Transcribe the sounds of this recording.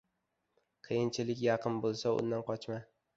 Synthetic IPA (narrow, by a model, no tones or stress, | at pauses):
qʰɨjɪnt͡ʃʰɪlɪkʲjɑqʰɨnbolˠsaʊ̰nd̪anqʰɒt͡ʃma